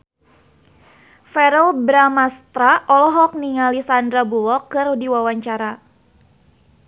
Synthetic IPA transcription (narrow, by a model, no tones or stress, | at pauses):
fɛɾɛlbɾamast̪ɾaʔɔlɔɦɔk̚niŋalisandɾabulɔkːɨrudiwawaɲt͡ʃaɾa